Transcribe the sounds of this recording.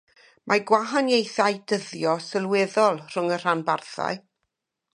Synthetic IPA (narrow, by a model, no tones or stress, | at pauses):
mʔaɡwaɦanjejθajdəðjɔsəlˠwɛðɔlˠr̥ʊŋər̥anbarθa̰ɨ